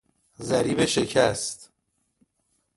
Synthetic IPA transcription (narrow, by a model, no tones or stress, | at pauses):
zæɾiːbeʃe̞cʰæst̪